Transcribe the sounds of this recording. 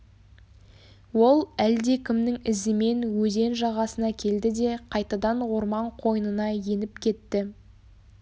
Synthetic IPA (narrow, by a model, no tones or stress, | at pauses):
wo̞lˠæld̪e̞kʲʰɪmnɪŋɪzɪme̞nwɵze̞nʒɑʁɑsənɑkʲʰe̞ld̪ɪd̪e̞qʰɑjt̪ɑd̪ɑnwo̞ɾmɑɴqʰo̞jənənɑje̞nɪpkʲʰe̞t̪ːɪ